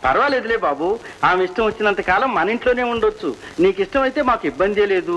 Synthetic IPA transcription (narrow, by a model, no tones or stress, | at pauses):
pɐɾɐʋaːleːd̪ule̞ːbaːbuaːmiʂʈɐ̃mʋot͡ʃːinɐnt̪ɐkaːlɐmːɐnɐiɳʈlo̞ːne̞ːuɳɖot͡ʃːṵ | niːkiʂʈɐmɐjit̪eːmaːkuibːɐnd̪iɐle̞ːd̪u